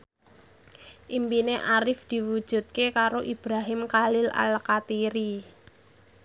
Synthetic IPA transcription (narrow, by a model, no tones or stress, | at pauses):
ʔimpineʔaɾɪfd̪̥i̤wud̥ʒ̥ṳt̪̚kekaɾoʔib̥ɾaɦɪmkalɪla̰lkat̪iɾi